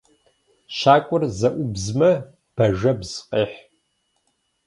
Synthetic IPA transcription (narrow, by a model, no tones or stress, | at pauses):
ʃaːkʷʼʊrzɐʔʷʊbzmɐ | b̥ɐʒɐbz̥qʼeːħ